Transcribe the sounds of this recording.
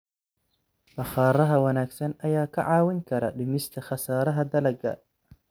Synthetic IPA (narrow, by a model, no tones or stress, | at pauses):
bɐχɑːɾɐɦɐwɑnaːɡsɐnɐjaːkʰɐʕɑːwɪŋkʰɐɾɐɖɪmɪst̪ʰɐχɑsaːɾɐɦɐd̪ɐlɐɡɐ̰